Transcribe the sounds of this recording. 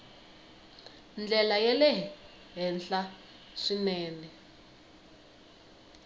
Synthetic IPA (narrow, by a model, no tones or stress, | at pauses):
nd͡ɮʱɛlajɛlɛ | ɦɛnɬa | ʂinɛːnɛ